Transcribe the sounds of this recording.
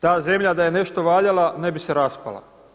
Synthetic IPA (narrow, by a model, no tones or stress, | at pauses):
t̪aːze̞mʎad̪aje̞ne̞ʃt̪o̞ʋaːʎalˠane̞biseɾaspa̰la̰